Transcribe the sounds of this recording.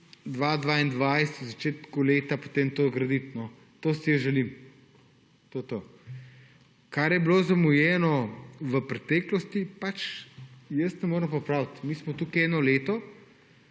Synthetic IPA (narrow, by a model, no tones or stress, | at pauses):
d̪ʋaːd̪ʋaːind̪ʋajst̪wzat͡ʃeːt̪kuleːt̪apo̥t̪eːmt̪oːɡɾɐd̪it̪nɔ | t̪oːsijəʒɛlim | t̪ot̪oː | kaɾjɛblozamujɛːnɔʋəpɾɛt̪ɛːklɔst̪ipat͡ʃ | jəst̪nɛmoːɾəmpɔpɾawt̪miːsmɔt̪ukiɛːnɔleːt̪ɔ